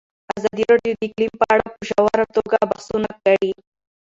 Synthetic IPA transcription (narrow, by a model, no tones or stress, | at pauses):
azad̪iɾaɖijod̪iklimpaaɽapuʃawaɾat̪oɡabaxsunakaɽi